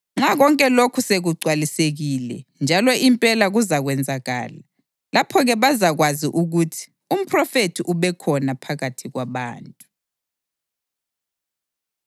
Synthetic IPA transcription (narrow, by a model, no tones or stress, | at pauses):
ŋ͡ǁaɣɔŋkʼɛlokʰuseɣuǀwaliseɣilɛ̰nd͡ʒʱalɔʔimpʼɛlaɣuzaɣwɛnd͡zʱaɣa̰ːla | lapʰɔɣɛβazaɣwaziʔuɣutʰi̥ | um̩pʰʼrɔfetʰiʔuβɛkʰɔnapʰaɣatʰiɣwaβa̰ːntʼu